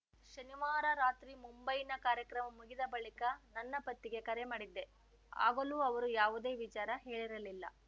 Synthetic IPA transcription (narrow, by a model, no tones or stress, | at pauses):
ʃɐniʋaːɾɐɾaːt̪ɾimumbɐjinɐkaːɾjɐkɾɐmɐmuɡid̪ɐbɐɭikɐnɐnːɐpɐt̪ːiɡe̞kɐɾemaːɽid̪ːe̞ | a̰ːɡɐluːɐʋɐɾujaːʋud̪e̞ːʋit͡ʃaːɾɐɦe̞ːɭiɾɐlilːɐ̰